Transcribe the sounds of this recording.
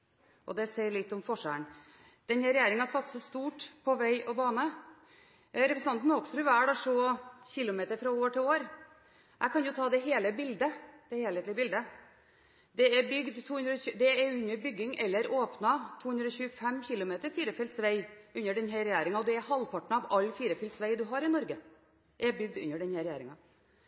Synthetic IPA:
ʔɔd̪ɛsæɪɾɭɪt̪ːɔmfɔʂæ̰ːɳ | d̪̥ɛnhæɾɛjæːɾɪŋɑsɑt̪səst̪uːʈpʰɔʋæɪʔɔbɑːnə | ɾɛpɾəsn̩ɑnt̪n̩ɔksɾʉʋæːɖɑʂoçɪlʊmeːt̪əɾfɾɑoːʈʰɪloːɾ | ʔæɪkʰɑnjʊt̪ʰɑːd̪ɛɦeːləbɪld̪əd̪̥ɛheːleːt̪lɪəbɪld̪ə | d̪ɛɛbʏɡd̪t̪ʰuːhʉnd̪ɾɔɕʉd̪ɛɛɾʉnːəɾbʏɡːɪŋɛlːəɾoːpnɑt̪ʰuːhʉnd̪ɾɔːɕʉːəfɛmːçɪlʊmeːt̪əɾfiːɾəfɛlt̪sʋæɪʉnːəɖɛnhɦɛɾɛjæːɾɪŋɑɔd̪ɛɛɾhɑlpʰɑʈɳ̩ɑʋɑlːfiːɾəfɛlt̪sʋæɪd̪ʉɦɑɾɪnɔɾɡə | ʔɛbʏɡ̚d̪ʉ̰nːəɖɛnhæɾɛjæːɾɪŋɑ

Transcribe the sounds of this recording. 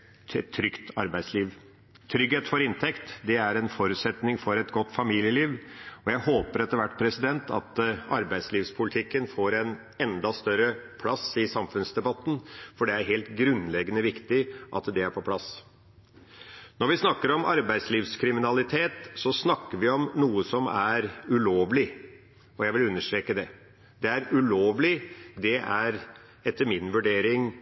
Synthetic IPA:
t̪ʰːɾʏkt̪ɑɾbæɪd̪sliːʋ | t̪ʰɾʏɡheːt̪fɔɾɪnt̪ʰɛkt̪d̪ɛæɾɛnfɔɾʉːt̪sɛt̪nɪŋfɔɾɛt̪ɡɔt̪ːfɑmiːljəliːʋɔjæɪhoːpəɾɛt̪əɾʋæʈːpʰɾɛsɪd̪ɛnt̪ʰɑ̰t̪ɑɾbæɪd̪sliːʋspʰʊlɪt̪ʰɪkːənfoːɾɛn | ɛnd̪ɑst̪œɾəpʰlɑsɪsɑmfʉnsd̪ɛbɑt̪ːn̩fɔɖɛæɾɦeːlt̪ɡɾʉnlɛɡːənəʋɪkt̪ɪʔɑ̰t̪d̪ɛæɾpʰɔpʰlɑs | nɔɾʋɪsnɑkːəɾɔmɑɾbæɪd̪sliːʋskʰɾɪmɪnɑlɪt̪ʰeːt̪sɔsnɑkːəɾʋɪɔmnuːəsɔmæɾʉloːʋlɪ | ɔjæɪʋɪlʉnːəʂt̪ɾeːkəd̪ɛ | d̪̥ɛæɾʉloːʋlɪd̪ɛʔæɾ | ɛt̪ːəɾmɪnʋʉɖeːɾɪŋ

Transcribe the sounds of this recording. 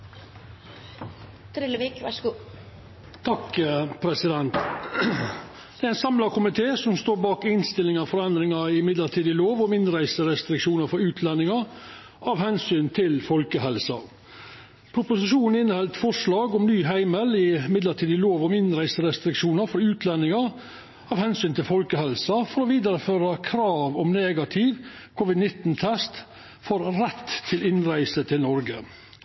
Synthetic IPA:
t̪ʰɾɪlːəʋiːkʋɑʂəɡuː | t̪ʰɑkpʰɾɛsɪd̪ɛnt̪ | d̪ɛæɾɪnsɑmlɑkʊmɪt̪ʰeːsɔmst̪oːɾbɑːkɪnst̪ɪlɪŋɑfɔɾɛnd̪ɾɪŋɑɪmɪd̪ləʈʰiːd̪ɪloːʋɔmɪnɾæɪsəɾɛst̪ɾɪkʂuːnəɾfɔɾʉːt̪ʰlɛnːɪŋɑ | ʔɑʋhɛnsyːnt̪ʰɪlfɔlkəɦɛlsɑ̰ | pʰɾʊpʊsɪʃuːnn̩ɪnːəhɛlt̪fɔʂlɑːɡɔmnyːɦæɪməlɪmɪd̪ləʈʰiːd̪ɪloːʋɔmɪnɾæɪsəɾɛst̪ɾɪkʂuːnəɾfɔɾʉːt̪ʰlɛnːɪŋɑ | ɑʋhɛnsyːnt̪ʰɪlfɔlkəhɛlsɑfɔɾɔʋiːd̪ɑɾəføːɾɑkʰɾɑːʋɔmneːɡɑt̪ʰɪːʋkʰɔːʋɪd̪nɪt̪ːnt̪ʰɛst̪ | fɔɾɾɛt̪ʰːɪlɪnɾæɪsət̪ʰɪlnɔɾɡə̰

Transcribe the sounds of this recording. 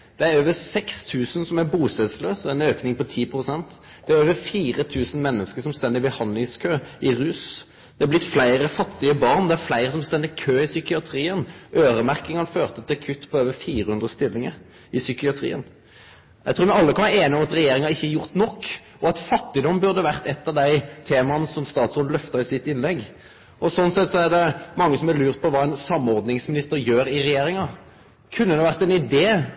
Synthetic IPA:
d̪̥ɛæɾøːʋəsɛkst̪ʰʉːsənsɔmæbuːsɛd̪sløːsɛɛnøːknɪŋpɔt̪ʰiːpʰʁʊsɛnt̪ | d̪̥ɛæɾøːʋəɾfiːʁət̪ʰʉːsən̩mɛnːəskəsɔmst̪ɛnd̪ɪbəhɑnlɪŋskʰøːɪɾʉːs | d̪̥ɛɑblɪt̪ːflæɪɾəfɑt̪ːɪəbɑʁnd̪ɛæɾflæɪɾəsɔmst̪ɛnd̪ɪkʰøːɪsʏkɪɑt̪ʰɾiːənʔøːɾəmæʁkɪŋɑnføːʁt̪ət̪ʰɪlɑkʰʉt̪ːpʰɔøːʋəfiːɾəhʉnd̪ʁəst̪ɪlːɪŋəɾ | ɪsʏkɪɑt̪ʰɾḭːə̰n | jæɪt̪ʰuːmɛɑlːəkʰɑnʋɑeːnəɔmɑt̪ɾɛjeːɾɪŋɑɪçːəɛjʊʁt̪nɔkː | ɔɑt̪fɑt̪ːɪd̪ɔmːbʉʁd̪əʋæʁt̪ɛt̪ːɑʋd̪æɪt̪ʰeːmɑnsɔmst̪ɑːt̪soːd̪lœft̪ɑɾɪsɪt̪ːɪnlɛɡː | ʔɔsɔnːsɛt̪sɔæʁd̪ɛmɑŋːəsɔmɛlʉːʁt̪̚pʰɔʋɑːɛnsɑmːɔʁd̪nɪŋsmɪnɪst̪əɾjøːɾɪɾɛjeːɾɪŋɑ | kʰʉnːəd̪ɛʋæʁt̪ɛnɪd̪eː

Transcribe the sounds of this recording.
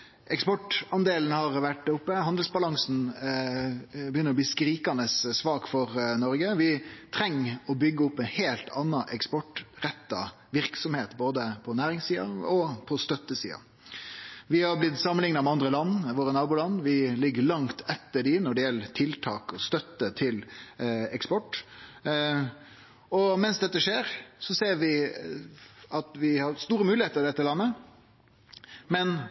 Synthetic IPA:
ɛkspɔʈɑnd̪eːln̩hɑɾʋæʈːʊpːəɦɑnd̪əlsbɑlɑŋsn̩ | bəjʏnːəɾɔb̪iːskɾiːkɑnəssʋɑːkfɔɾnɔɾɡəʋɪt̪ʰɾɛŋːɔbʏɡːəʊpːɛnheːlt̪ʰɑnːɑʔɛkspɔʈɾɛt̪ːɑ̰ | ʋɪɾksɔmheːt̪boːd̪əpʰɔnæːɾɪŋsiːɑ̰ɔpʰɔst̪œt̪ːəsḭːɑ̰ | ʋɪhɑɾblɪt̪sɑmːənɪŋnɑmɛɑnd̪ɾəlɑnːʋoːɾənɑːbuːlɑnʋɪlɪɡːəlɑŋt̪ʰɛt̪ːəɖɪnɔɖɛjɛlːət̪ʰɪlt̪ʰɑːkɔst̪œt̪ːət̪ʰɪl | ɛkspɔʈː | ɔmɛnsd̪ɛt̪ːəʂeːɾsɔseːɾʋɪ | ɑt̪ʋɪhɑɾst̪uːɾəmʉːlɪheːt̪əɾd̪ɛt̪ːəlɑnːə | mɛn

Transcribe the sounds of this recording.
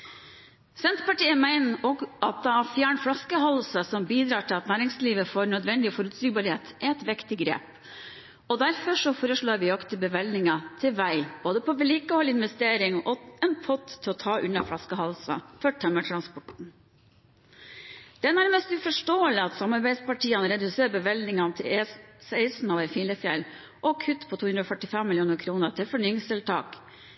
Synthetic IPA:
sɛnt̪pɑʈiːəmæɪnɔɡʔɑt̪̚d̪ɛæfjæːɳfɽɑskəɦɑlsɑsɔmbiːd̪ɾɑːʈʰɪlɑt̪næːɾɪŋsliːʋəfoːɾnœd̪ʋɛnːd̪ɪɔfɔɾʉt̪siːɡbɑɭɪheːt̪ɛɾɛt̪ʋɪkt̪ɪɡɾḛːp | ɔd̪æɾfɔʂɔfoːɾəʂɭoːɾʋɪɔkt̪ʰəbəʋɛlnɪŋɑt̪ʰɪʋæɪb̥oːd̪əpʰɔʋɛliːkəhɔlːɪnʋɛst̪eːɾɪŋɔɛnpʰɔt̪t̪ʰːɪlɔt̪ʰɑːʔʉnːɑflɑskəɦɑlsɑ̰fɔʈʰɛmːəʈʰɾɑnspɔʈɳ̩ | d̪̥ɛænæɾməst̪ʉfɔʂʈoːəlɪɑt̪sɑmɑɾbæɪspɑʈʰiːənəɾɛd̪ʉseːɾbəʋɛlnɪŋɑt̪ʰɪsæɪsn̩ɑʋɛɪfiːləfjɛlː | ʔɔkʰʉt̪ːpʰɔt̪ʰuːʉnɾɔfœʈɪfɛmːɪljuːnəɾkʰɾuːnəɾt̪ʰɪlfɔɳyːɪŋst̪ʰɪlt̪ʰɑ̰ːk

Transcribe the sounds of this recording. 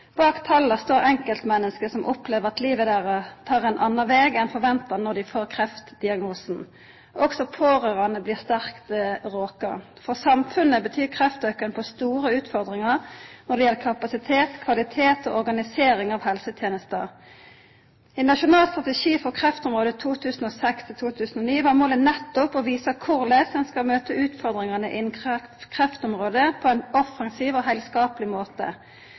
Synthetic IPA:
b̥ɑːkt̪ʰɑlːəst̪oːɾɛŋkəlt̪mɛnːəskəsɔmʔɔpleːʋəʁɑt̪liːʋəd̪æːʁət̪ʰɑːʁɛnʔɑnːɑʋɛːɡɛnfɔʁʋɛnt̪əʁnɔd̪ɪfoːʁkʰʁɛft̪d̪ɪɑɡnoːsn̩ | ɔksɔpʰoːʁøːʁɑnəbliːʁst̪æʁkt̪ʁoːkə | fɔʁsɑmfʉnəbət̪ʰyːkʰʁɛft̪øːkənpʰɔst̪uːɾəʉːt̪fɔʁd̪ʁɪŋəʁnɔʁɖ̪ɛjɛlːəkʰɑpɑsɪt̪ʰeːt̪kʰʋɑlɪt̪ʰeːt̪o̰ːɔʁɡɑnɪseːɾɪŋɑːʋhɛlsət̪ʰjeːnəst̪ə | ɛnɑʂʊnɑːlst̪ʁɑt̪ɛʂiːfɔʁkʰʁɛft̪ɔmʁoːd̪ət̪ʰuːt̪ʰʉːsən̩oːsɛkst̪ʰɪlt̪ʰuːt̪ʰʉːsnɔniːʋɑʁmoːlənɛt̪ːʊpɔʋiːsəkʰʊʁlesənskɑlmøːt̪əʉːt̪fɔʁd̪ʁɪŋɑnəʔɪnkkʰʁɛft̪ɔmʁoːd̪əpʰɔɛnɔfɑŋsiːʋoːɦæɪlskɑːpəlɪmoːt̪ə̰

